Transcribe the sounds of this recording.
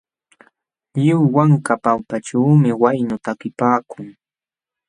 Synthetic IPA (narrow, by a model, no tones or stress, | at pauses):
ʎɪwwaŋkapawpaʈ͡ʂaːmɪwajnʊt̪akɪpaːkʊŋ